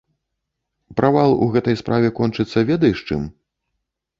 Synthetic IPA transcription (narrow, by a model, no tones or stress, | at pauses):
pɾʔavalˠṵɣɛt̪ɐjspɾʔavʲɛkɔnt͡ʂɨt̪sːɐvʲɛd̪ɐjʂt͡ʂɨ̰m